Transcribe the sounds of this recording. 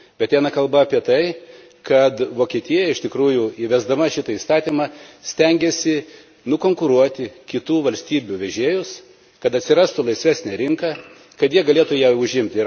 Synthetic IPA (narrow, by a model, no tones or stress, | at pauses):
bʲɛt̪t̪ʲɛɪnɐkɐlˠbɐɐpʲiɛt̪ɐɪ | kɐt̪ʋoːkʲiɛt̪ʲiɛjɛɪʃʲt̪ʲɪkɾuːjʊiʋʲɛzd̪ɐmɐʃʲɪt̪ɐiːst̪ɑːt̪ʲiːmɑːsʲt̪ʲɛŋʲɡʲɛsʲɪ | nʊkoːŋkʊɾuɔt̪ʲɪkʲɪt̪uːʋɐlʲsʲt̪ʲiːbʲuʋʲɛʒʲeɛjʊs | kɐt̪ɐt̪ʲsʲɪɾɑːst̪ʊlˠɐɪsʲʋʲæːsʲnʲɛɾʲɪŋkɐ | kɐt̪jiɛɡɐlʲeɛt̪ʊjɛʊʒʲɪmʲt̪ʲɪ